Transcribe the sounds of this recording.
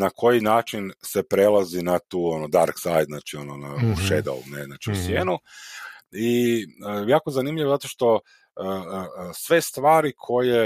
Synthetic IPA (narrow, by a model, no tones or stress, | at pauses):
nakʰo̞jinaːt͡ʃinse̞pɾelazinat̪uːo̞nod̪aɾksajd̪znaːt͡ʃio̞nona̰uʃed̪a̰ṵnezna̰t͡ʃiusjeːnu | iəjaːko̞zanimʎiʋozat̪o̞ʃt̪o̞ | əsʋe̞st̪ʋaːɾikʰo̞je